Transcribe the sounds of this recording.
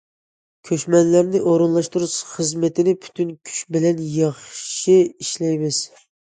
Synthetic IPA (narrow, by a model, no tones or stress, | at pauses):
kʲʰøʃmɛnlæɾnɪʔoɾɨnlˠɑʃt̪uɾuʃχəzmɪt̪ʰɪnɪpʰy̥t̪ʰynkʲʰy̥ʃbɪlɛnjɑχʃiiʃlɛjmɪz̥